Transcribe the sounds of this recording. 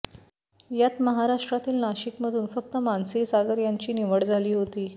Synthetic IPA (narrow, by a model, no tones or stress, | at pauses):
jat̪məɦaɾaʂʈɾat̪iːlnaɕikməd̪ʱuːnfək̚t̪əmansiːsaɡəɾjaɲt͡ɕiːniʋəɽd͡zʱaliːɦot̪iː